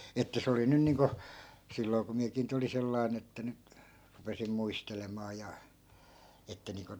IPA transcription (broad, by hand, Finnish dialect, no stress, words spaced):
etːæ se oli nyn niːŋko silːoi̯ ku miækiː nyt olin selːɑi̯n etːæ nyt rupesim muistelemɑː jɑ etːæ niːŋko